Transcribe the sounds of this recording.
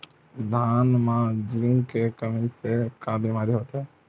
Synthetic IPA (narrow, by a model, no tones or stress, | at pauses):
d̪ʱaːnmãd͡ʒɾɪŋɡkekəmisekãbiːmaːɾiɦoːt̪ɦɛː